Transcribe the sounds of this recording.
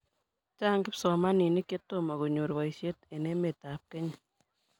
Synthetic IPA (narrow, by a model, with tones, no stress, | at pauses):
t͡ʃa˦˨ŋɡɪ˦psɔ˨ma˦ni˨ni˦ke˦to˦˨ma˨ko˨ɲo˨ɾwa˨i˨ʃje˦te˨ne˦me˨ta˨˦p̚ke˦ɲ